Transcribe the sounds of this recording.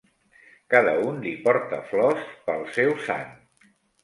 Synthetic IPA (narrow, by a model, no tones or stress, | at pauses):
kaðəunlipɔɾt̪əflɔspəlˠsɛwsa̰n